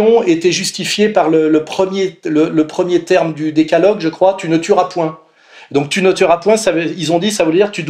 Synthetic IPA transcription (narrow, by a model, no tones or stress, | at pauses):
ɔ̃et̪ɛʒyst̪ifjepaʁlələpχəmjelələpχəmjet̪ɛʁmd̪yd̪ekalɔɡʒəkχwat̪ynət̪yʁapwɛ̃ | d̪ɔ̃k̚t̪ynət̪yʁapwɛ̃savilzɔ̃d̪isavəld̪iʁt̪yd̪